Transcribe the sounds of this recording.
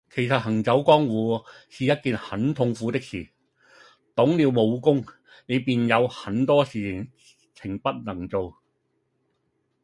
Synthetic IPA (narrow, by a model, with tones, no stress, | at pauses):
kʰe˨˩jsɐ˨t̚hɐ˨˩ŋt͡sɐ˨˥wkɔː˥ŋwuː˨˧siː˨˧jɐ˥t̚kiː˨˧nhɐ˨˥nt̪ʰʊ˧ŋfuː˨˥t̪ɪ˥k̚siː˨˩ | t̪ʊ˨˥ŋliː˨˧wmo˨˧wkʊ˥ŋ | ne˨˧jpiː˨njɐ˨˧whɐ˨˥nt̪ɔː˥siː˨ɪ˨˩ŋ | t͡sʰɪ˨˩ŋpɐ˥t̚nɐ˨˩ŋt͡so˨w